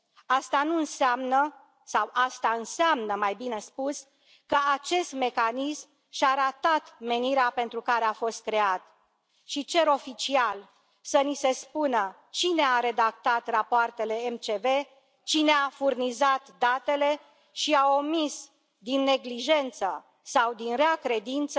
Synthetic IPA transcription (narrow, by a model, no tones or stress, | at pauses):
ast̪anuɨnseamnə | sawʔast̪aɨnseamnəmajbine̞spus | kəat͡ʃe̞st̪me̞kanism | ʃaɾat̪at̪me̞niɾeape̞nt̪ɾukaɾeafo̞st̪̚kɾe̞at̪ | ʃit͡ʃe̞ɾo̞fit͡ʃial | sənise̞spunə | t͡ʃine̞aɾe̞d̪ak̚t̪at̪rapoart̪e̞le̞emt͡ʃe̞ve̞ | t͡ʃine̞afurnizat̪d̪at̪e̞le̞ | ʃiaomis | d̪inːe̞ɡliʒe̞nt̪sə | sawd̪inɾeakɾe̞d̪int̪sə